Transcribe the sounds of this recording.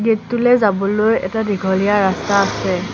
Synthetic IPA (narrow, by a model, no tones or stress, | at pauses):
ɡetːulɛzabɔlojɛ̰tadiɡʱɔlijaɹastaːsɛ